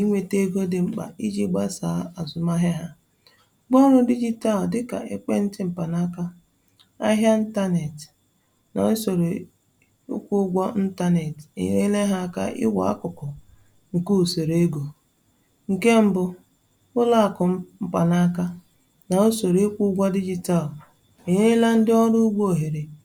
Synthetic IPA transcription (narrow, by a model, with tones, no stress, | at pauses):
i˦ŋʷe˨te˦ɡo˦dɪ˨ŋ͡m̩˦k͡pa̰˨i˦d͡ʒi˦ɡ͡ba˦saː˨˦a˨zʊ˨ma˦ɦa˦ɦa˦ | ɡ͡bɔ˦ɾʊ˦di˦d͡ʒi˦ta˦ldɪ˦ka̰˨ʔe˦k͡pe˦n̩˦tɪ˦m̩˨pa˨na˦ka˦ | a˦ɦja˦n̩˦ta˦ne˨t | na̰˨ʊ˦so˨ɾe˨ | ʊ̰˦kʷu˦ɡʷɔ˦n̩˦ta˦ne˨tḭ˨ɲe˦le˦ɦa˦a˦ka̰˦ʔɪ̰˦wa̰˨a̰˦kʊ˨kʊ˨ | ŋ̩˨ku˦˨so˨ɾe˦ɡo˨ | ŋ̩˨ke˦m̩˦bʊ˦ | ʊ˦la˦a˨kʊ˨m̩˦˨pa˨na˦ka˦ | na˨o˦so˨ɾe˦kʷu˦ɡʷa˦di˦d͡ʒi˨ta˦˨l | i˨ɲe˦la˦n̩˦dɪ˦ɔ˦ɾʊ˦ɡ͡bo˦˨ɦe˨ɾe˨